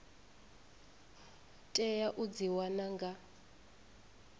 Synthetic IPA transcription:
tʼɛjaʔud͡ziwanaŋɡa

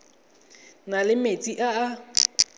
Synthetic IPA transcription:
nalɪmet͡sʼiʔaː

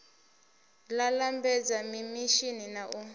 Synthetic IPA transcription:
lalambɛd͡zamimiʃininaʔu

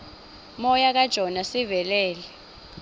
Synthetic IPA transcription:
mɔjak̬ad̥ʒ̥ʱɔnasivɛlɛːlɛ

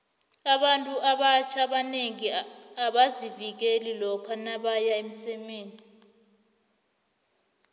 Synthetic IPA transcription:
aɓantʼuʔaɓat͡ʃʰaɓaneŋiaɓazivik̬elilɔkʰanaɓajaem̩sɛmeːni

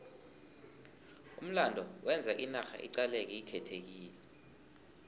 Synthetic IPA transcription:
ṵm̩landʱɔwʔɛnd͡zʱaʔinaxa̰ʔḭǀalɛk̬ɛikʰɛtʰek̬iːlɛ

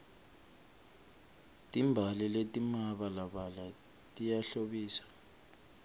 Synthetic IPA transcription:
tʼimbʱaliletʼimaɓalaɓala | tʼijaɬoɓiːsḁ

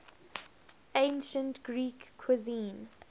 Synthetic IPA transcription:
ẽnʃə̃ntɡ̥ɹiːkʰːwɪzĩːn

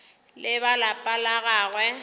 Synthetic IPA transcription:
lɪβalapʼalaɣaːɣwɛ

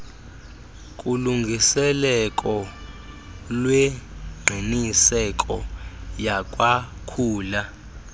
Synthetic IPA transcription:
kʼuluŋɡʱisɛlɛkʼɔ | lweɡ͡ǀʱinisɛkʼɔjakʼwakʰuːla

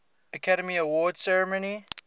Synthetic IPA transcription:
əkʰaɾəmiəwɔːd̥sɛɹəmoni

